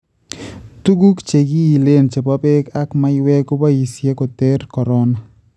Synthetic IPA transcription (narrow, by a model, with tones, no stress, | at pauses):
t̪u˦ɡu˦kt͡ʃe˨ɡi˦i˨le˦nt͡ʃe˨pa˦pe˦ka˦kma˦ɪwe˦ko˦ba˦i˨sje˦ko˨te˦ɾkɔ˨ɾɔ˦na˨